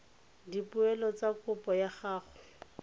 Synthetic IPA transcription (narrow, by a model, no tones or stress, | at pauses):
dipʊɛlɔt͡sakʊpɔjaχaːχʊ̥